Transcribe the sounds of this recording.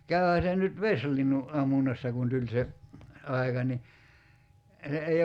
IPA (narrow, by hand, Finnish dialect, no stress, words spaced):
kæyhæ se nyt ʋeslinːu ʔɑmːunːɑsːɑ kun tulʲ se ɑi̞kɑ ni se ei